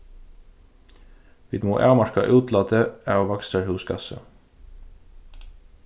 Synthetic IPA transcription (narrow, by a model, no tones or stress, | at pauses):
ʋiːt̪mo̰ːʔæːʁmɑʃkɑ̰ʔʉːt̪lɑːt̪əæːʁʋɑkst̪əhʉːskʰɑ̰sə̰